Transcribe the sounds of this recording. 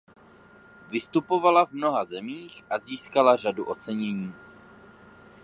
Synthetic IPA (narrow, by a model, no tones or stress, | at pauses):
vɪst̪upo̞valavmno̞ɦazɛmiːxʔaziːskalar̝aduʔo̞t͡sɛɲɛɲiː